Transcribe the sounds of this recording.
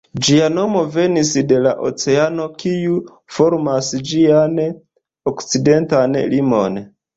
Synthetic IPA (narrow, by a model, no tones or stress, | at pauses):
d͡ʒiano̞mo̞ve̞nisde̞laʔo̰t͡se̞ano̞kiu | fo̞ɾmasd͡ʒian | okt͡side̞ntanlimo̞̰n